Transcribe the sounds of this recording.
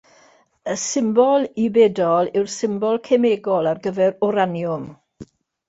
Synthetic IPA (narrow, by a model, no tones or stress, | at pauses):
əsɪmbɔlˠibɛdɔlˠɪwrsɪmbɔlˠkʰemeɡɔlˠarɡəvɛɾɔɾanjʊm